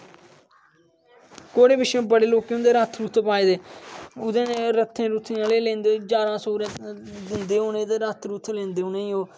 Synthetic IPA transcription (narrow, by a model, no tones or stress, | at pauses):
koːɽeːbɪʃj̃ːbəɽeːloːkiõːd̪eːɾət̪ʰɾuːt̪ʰpaːeːd̪eːʊd̪ẽːneːɾət̪ʰːẽːɾuːt̪ʰiːãːleːlẽːnd̪eːd͡ʒaːɾãːsoːɾẽd̪ɪnd̪eːoːnẽːd̪eːɾət̪ʰɾuːt̪ʰlẽːnd̪eːoːnẽːĩoː